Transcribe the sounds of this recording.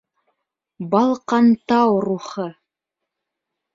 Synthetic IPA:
bɑlˠqɑnt̪ɑwɾuχɤ

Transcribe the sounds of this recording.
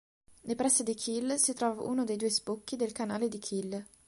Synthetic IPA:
nepɾɛsːed̪ikʰilsit̪ɾɔːvaʔṵːnod̪ejd̪uːespokːid̪elkanaːled̪ikʰil

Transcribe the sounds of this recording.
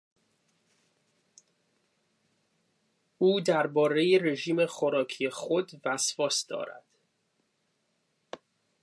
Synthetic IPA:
uːd̪æɾbɒːɾe̞jere̞ʒiːme̞xoɾɒːcʰijexod̪væsvɒːsd̪ɒ̰ːɾæ̰d̪̥

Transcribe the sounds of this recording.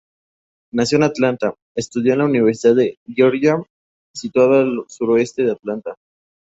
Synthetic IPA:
nasjo̞nat̪lant̪a | est̪uðjoenlauniβeɾsiðaðeʝoɾʝam | sit̪waðaalsuɾoe̞st̪eðeat̪lant̪a

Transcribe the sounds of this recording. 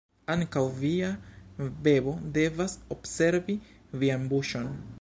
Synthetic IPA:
aŋkawviave̞bo̞de̞vasobse̞ɾvi | vianbuʃo̞n

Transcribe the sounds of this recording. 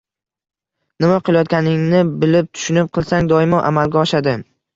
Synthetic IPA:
nɪmaqʰɨlˠajɒt̪̚kʲanɪŋnɪbɪlɪp̚t̪ʰʊ̥ʃʊnɪp̚qʰɨlˠsaŋd̪ɒɪmɒʔa̰malɡʲaɒʃad̪ɪ

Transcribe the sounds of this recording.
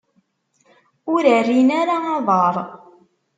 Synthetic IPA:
ʊɾərːinaɾaɑðˤɑɾˤ

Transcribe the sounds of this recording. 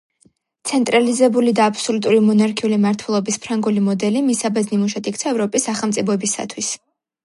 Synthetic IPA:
t̪sʰɛnt̪ʼɾalizɛbulid̪aːpsɔlut̪ʼuɾimɔnaɾkʰiulimaɾt̪ʰwɛlˠɔbispʰɾaŋɡulimɔd̪ɛlimisabɛznimuʃat̪ʰik̚ʰt̪sʰaɛvɾɔpʼisːaχɛlˠmt̪sʼipʰɔɛbisa̰t̪ʰwis

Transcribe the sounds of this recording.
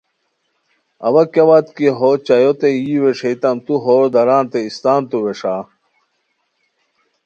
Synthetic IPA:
ɐ̰wɐkewat̪kiɦot͡ɕɐjot̪ejiːweʂejt̪ɐmt̪uɦoːɾd̪ɐɾaːnt̪eist̪aːnt̪uweʂaː

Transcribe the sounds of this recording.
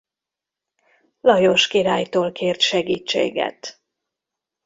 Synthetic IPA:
lɒjo̞ʃkiɾaːjt̪oːlkʰeːrt̪ʃɛɡiːt͡ʃːḛːɡɛ̰t̪

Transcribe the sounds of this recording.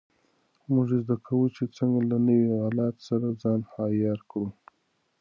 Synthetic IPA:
mʊʐezd̪akʰawut͡ʃet͡səŋɡalanəwihɑlat̪saɾazɑnhɑjɑɾkɽu

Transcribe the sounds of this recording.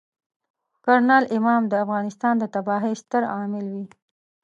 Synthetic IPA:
kaɾnɑlɪmɑmd̪əafɣɑnɪst̪ɑnd̪ət̪abɑɦɪst̪əɾɑmɪlwi

